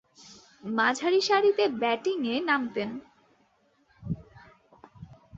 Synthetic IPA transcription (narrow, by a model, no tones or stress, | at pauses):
mad͡ʑʱaɾiʃaɾit̪ebɛʈiŋenamt̪en